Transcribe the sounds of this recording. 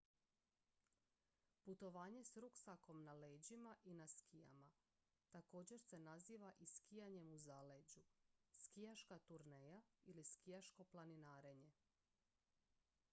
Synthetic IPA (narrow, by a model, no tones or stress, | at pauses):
put̪o̞ʋaːɲe̞sɾuksako̞mnaleːd͡ʑimaʔinaskʰija̰ma | t̪ako̞ːd͡ʑe̞ɾse̞naziːʋaʔiskijaɲe̞muzale̞d͡ʑuskijaʃkat̪uɾneːjailiskijaʃko̞plˠaninaːɾe̞ɲe̞